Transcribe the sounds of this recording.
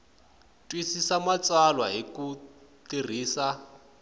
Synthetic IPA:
tʼwisisamat͡salwaɦikutir̤iːsa

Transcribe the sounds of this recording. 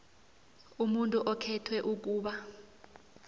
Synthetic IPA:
umuntʼuʔɔkʰɛtʰwɛʔuk̬uːɓa

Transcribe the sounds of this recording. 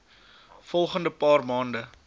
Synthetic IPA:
fɔlˠχəndəpɑːrmɑːndə

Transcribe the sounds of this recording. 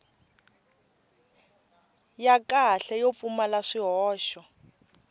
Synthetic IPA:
jakʼaɬɛjop̪fumalaʂiɦɔːʃɔ

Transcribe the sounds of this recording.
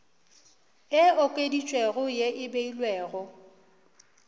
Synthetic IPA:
ɪʊkʼedit͡ʃʼweɣʊjeʔɪbeilwɛːɣʊ

